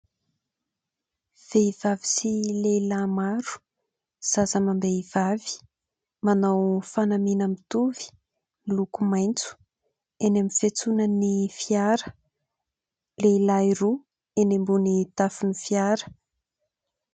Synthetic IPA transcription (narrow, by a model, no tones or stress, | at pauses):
v̥eiv̥avi̥silelamaɾu̥ | z̥azəmambeiv̥avi̥ | manawfanaminamit̪uvi̥ | lukumajnt͡su̥ | enamifet͡sunanifiaɾə | lelaiɾu | enembunit̪afunifjaɾə̥